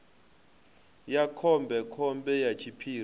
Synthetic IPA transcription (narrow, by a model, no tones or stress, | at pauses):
jakʰɔmbʱɛkʰɔmbɛjat͡ʃʰipʰiː